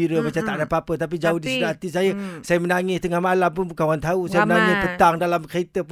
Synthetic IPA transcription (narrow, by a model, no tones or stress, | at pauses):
iɾəmat͡ʃamt̪aʔdapapət̪ap̬id͡ʒaʊhdisədaat̪is̬ajəsajamənaŋɪst̪əŋahmalampʊnbukanwwant̪ausajamənaŋɪspət̪aŋdalamkəit̪əp